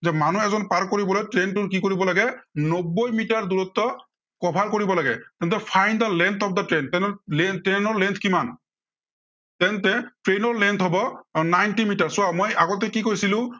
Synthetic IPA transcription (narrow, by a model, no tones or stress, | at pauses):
zɛmanuɛzɔnpaɹkːoɹibɔlɔjʈɹentukikoɹibɔlaɡɛnobːojmitaɹd̪uɹut̪ːɔ | kɔbʱaɹkoɹibɔlaɡɛt̪ɛntɛpʰajnd̪alɛnt̪ʰɔpʰd̪atɹɛntɛnɔlɛntɛnɔɹlɛnt̪ʰkiman | tɛntɛʈɹenɔɹlɛnt̪ʰɦɔbɔnajntimitaɹsʊamojaɡɔt̪ɛkikojsilʊ̃